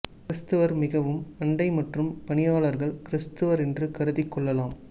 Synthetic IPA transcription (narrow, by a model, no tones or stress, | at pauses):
kɪɾɪst̪ɯʋɐɾmɪɣɐʋɯmɐɳɖɐɪmɐʈrɯmpɐɳɪjaːɭɐɾɣɐɭkɪɾɪst̪ɯʋɐɾɛndrɯkɐɾɯðɪkːɔɭːɐlaːm